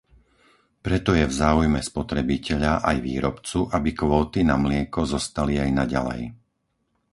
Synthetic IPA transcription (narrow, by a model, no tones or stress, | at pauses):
pɾɛt̪ɔjɛvzaːujmɛspɔt̪ɾɛbicɛʎaʔajʋḭːɾɔpt͡suʔabikʋɔːt̪inamlɪɛkɔzɔst̪aliajnaɟa̰lɛ̰j